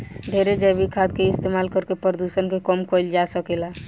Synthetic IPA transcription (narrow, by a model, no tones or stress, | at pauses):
ɖʱeɾed͡ʒəɾbikʰad̪̚keist̪emalkəɾkepɾəd̪usənkekɔmkɔjld͡ʒasəkɛla